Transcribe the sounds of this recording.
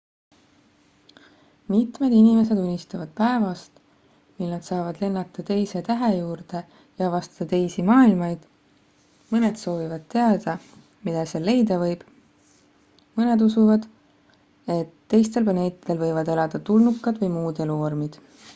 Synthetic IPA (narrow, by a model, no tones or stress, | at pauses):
mit̪me̞d̪inime̞se̞d̪unʲːist̪ɑvɑd̪̥̚pæe̞vɑst̪ | milnɑd̪̥sɑːvɑd̪̥le̞nːɑt̪ːˑɑt̪e̞jse̞t̪æɦe̞juːɾd̪̥e̞ | jɑvɑst̪ɑ̥d̪̥ɑt̪e̞jsimɑːilmɑjd̪̥ | mɤne̞d̪̥so̞ːvivɑd̪̥̚t̪e̞ɑd̪̥ɑ | mid̪̥ɑsele̞jd̪ɑvɤ̞jb̥ | mɤne̞d̪usuvɑd̪̥ | e̞t̪ːe̞jst̪e̞lplɑne̞ːt̪ːˑid̪̥elvɤjvɑd̪e̞lɑd̪̥ɑt̪ulnukːˑɑd̪vɤjmuːd̪e̞luormid̪̥